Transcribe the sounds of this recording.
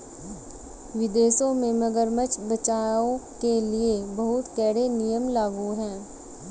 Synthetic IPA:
ʋɪd̪eːʃõmẽmɐɡəɾmət͡ʃbɐt͡ʃaːõkeliebɐɦʊt̪kɛːɽenijəmlaːɡuɦɛ̃ː

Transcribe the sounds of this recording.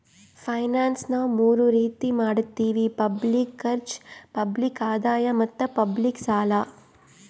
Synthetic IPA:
pʰɐjnaːnsnɐmuːɾuɾiːt̪imaːɽut̪ːiːʋipɐblikːɐɾt͡ʃpɐblikaːd̪aːjɐmɐt̪ːɐpɐbliksaːla

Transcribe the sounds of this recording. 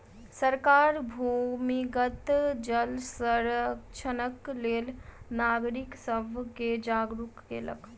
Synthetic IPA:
səɾkaɾbʱumiɡət̪d͡ʒəlsəɾəkt͡ʃʰənəklelnaɡɾiksəbʱked͡ʒaɡɾukːḛlə̰k

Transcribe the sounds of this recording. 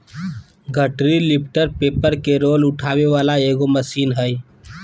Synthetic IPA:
ɡʱəʈɾilip̚ʰʈəɾpepəɾkeɾolʊʈʰaːʋeʋalaeɡoməsiːnɦəj

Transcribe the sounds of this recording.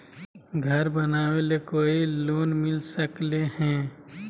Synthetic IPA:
ɡʱəɾbənaːwelekoːiloːnmɪlsəklehɛ̃ː

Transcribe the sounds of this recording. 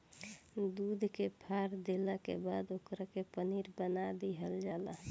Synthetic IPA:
d̪ud̪ʱkepʰaɾd̪elakḛbad̪okɾakepəniɾbənad̪iɦəld͡ʒala

